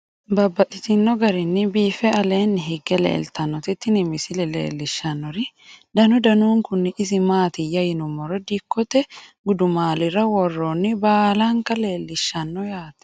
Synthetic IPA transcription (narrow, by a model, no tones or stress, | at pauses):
bɐbːɐt̪ʼɪt̪ɪnːɔɡɐɾɪnːɪbiːfɛɐle̞ːnːɪɦɪɡɛlḛːlt̪ɐnːɔt̪ɪt̪ːɪnɪmɪsɪlɛlḛːlːɪʃːɐnːɔɾɪ | d̪ɐnʊd̪ɐnuːŋkʊnːɪʔɪsɪmaːt̪ɪjɐjɪnʊmːɔɾɔd̪ikːɔt̪ɛɡʊd̪ʊmaːlɪɾɐwɔrːoːnːɪbaːlaŋkɐle̞ːlːɪʃːɐnːɔjaːt̪ɛ̥